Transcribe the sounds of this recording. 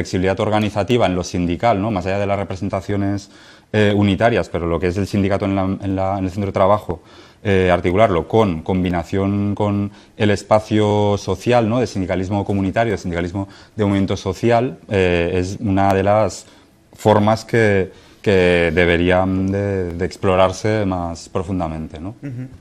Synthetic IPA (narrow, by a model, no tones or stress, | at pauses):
fleksiβiliðat̪o̞ɾɣ̞aniθat̪iβ̞aenlo̞sind̪ikalno̞masaʝað̞e̞lasre̞pɾes̬e̞nt̪aθjo̞ne̞s | eunit̪aɾjaspe̞ɾo̞lo̞kee̞se̞lsind̪ikat̪oenlaenlaenelθent̪oet̪ɾaβ̞axo | eaɾt̪ikulaɾlo̞ko̞nko̞mbinaθjo̞ŋko̞n | e̞le̞spaθjoso̞θjalnoðesind̪ikalizmo̞komũnit̪aɾjoesind̪ikalizmo̞ðemwoent̪oso̞θjalee̞s̬unað̞e̞las | fo̞ɾmaske̞ | keðe̞β̞e̞ɾiand̪e̞ðeːksplo̞ɾaɾse̞maspɾo̞fund̪amẽ̞nt̪e̞no